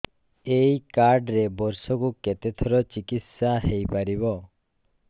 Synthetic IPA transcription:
ejkaɾɖɾebɔɾsɔkuket̪et̪ʰɔɾɔt͡ʃikit̪saɦejpaɾibɔ

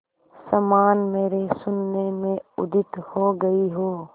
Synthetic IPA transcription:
sɐmaːnmeːɾesʊnːemẽʊd̪ɪt̪hoɡɐiɦoː

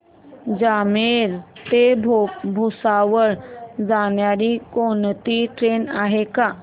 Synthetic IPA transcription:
d͡ʑameɾt̪ebbʱusaʋəɾd͡zanjaɽikont̪iʈɾenaɦeka

